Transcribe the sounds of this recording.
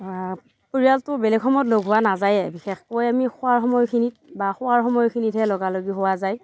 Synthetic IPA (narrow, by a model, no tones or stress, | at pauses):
puɹijaltʊbɛlɛɡʰɔmɔtloɡɦʊwanazajɛbixɛxkojamixʊaɹxɔmɔjkʰinit̚baxʊwaɹxɔmɔjɔkʰinitɦɛlɔɡaloɡiɦʊwazaj